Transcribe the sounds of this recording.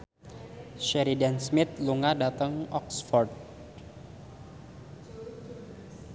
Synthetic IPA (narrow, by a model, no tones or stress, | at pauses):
ʃɛɾidansmɪt̪̚luŋadat̪əŋɔksfɔrd̚